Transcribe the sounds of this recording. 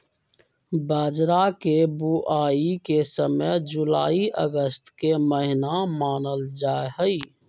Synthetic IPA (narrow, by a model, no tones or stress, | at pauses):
baːd͡ʒɾakebuʔaːikesəməjd͡ʒʊla̰ːiʔə̰ɡəst̪keməɦɪnamaːnəld͡ʒaːeɦəi